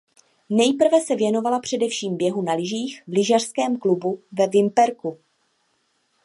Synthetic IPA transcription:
nɛjpr̩vɛsɛvjɛno̞valapr̝̥ɛdɛfʃiːmbjɛɦunalɪʒiːxvlɪʒar̥skɛːmklubuvɛvɪmpɛɾku

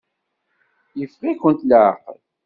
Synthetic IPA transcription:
jəfʁikənt̪laqəl

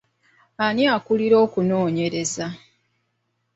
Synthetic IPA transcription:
aniakuliɾo̞ːkuno̞ːɲe̞ɾe̞za

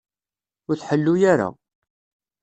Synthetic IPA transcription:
ʊɾθħəlːujaɾa̰

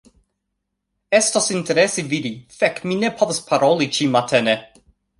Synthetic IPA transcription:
ɛstɔsɪntʰɛɾɛsiviðifɛkminɛpʰɔðəspʰaɾɔlˠit͡ʃʰimatʰɛnɛ

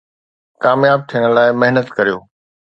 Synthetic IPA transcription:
kaːmjaːb̚t̪ʰijəɽ̃laːɪmɐɦnət̪kɐɾijoː

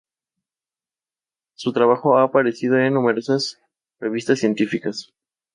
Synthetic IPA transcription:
sut̪ɾaβaxo̞aːpaɾe̞sið̞oenːume̞ɾo̞sas | reβist̪asːje̞nt̪ifikas

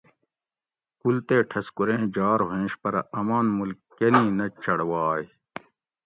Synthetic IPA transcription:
kult̪eːʈʰɐskuɾẽːd͡ʑaːɾɦẽːɕpɐɾɐɐmaːnmulkːɐnĩːnɐt͡ɕɐɽwaːj

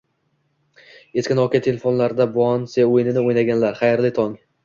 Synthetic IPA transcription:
eskʲɪnɒkʰʲɪt̪ʰe̞lʲefo̞nlaɾd̪abɒnseojnɪnɪojnaɡʲanlaɾχajɾlɪt̪ʰɒŋ

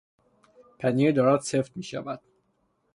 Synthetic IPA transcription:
pʰænjejd̪ɒːɾɒt̪seft̪miːʃæ̰væd̪̥

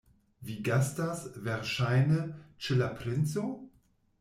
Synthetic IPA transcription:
viːɡastasvɛʁʃaɪnət͡ʃɪlapʰʁɪnt͡so

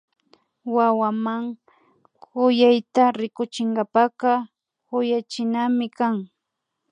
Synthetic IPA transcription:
wawamaŋ | kʊjajt̪aɾɪkʊt͡ʃɪŋɡapaqɑ | kʊjat͡ʃɪnamɪkaŋ

